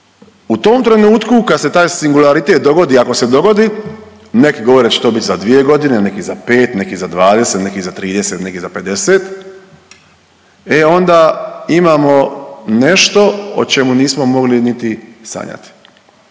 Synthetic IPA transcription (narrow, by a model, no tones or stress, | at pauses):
ut̪oːmt̪ɾe̞nuːt̪kukad̪set̪aːjsiŋɡulaɾit̪e̞t̪̚d̪o̞ɡo̞d̪iako̞se̞d̪o̞ɡo̞d̪i | nekiɡoʋo̞ɾet͡ɕe̥t̪o̞ːbit̪ʲzad̪ʋije̞ɡo̞d̪ine̞nekizape̞ːt̪nekizad̪ʋaːd̪e̞set̪nekizat̪ɾiːd̪eset̪nekizape̞d̪eseːt̪ | eo̞nd̪aimaːmo̞ne̞ʃt̪o̞o̰t͡ʃe̞muniːsmomo̞ɡlinit̪isa̰ɲa̰t̪i̥